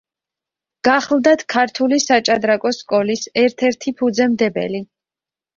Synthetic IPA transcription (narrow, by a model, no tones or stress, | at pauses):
ɡ̥aχlˠd̪at̪ʰkʰaɾt̪ʰulisat͡ʃʼad̪ɾakʼɔskʼɔlisɛɾt̪ʰɛɾt̪ʰipʰud̪zɛmd̪ɛbɛ̰li